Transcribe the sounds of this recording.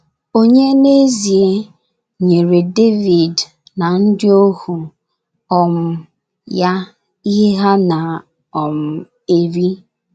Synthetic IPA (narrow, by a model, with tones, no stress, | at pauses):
o˦ɲe˦ne˦zi˨e˦ | ɲe˨ɾe˨de˦vi˨d | na˨n̩˦dɪ˦o˦hu˨ | ɔ˨m̩˨ | ja˦ | i˦ɦe˦ɦa˦na˨ | ɔ˨m̩˨ | e˦ɾi˦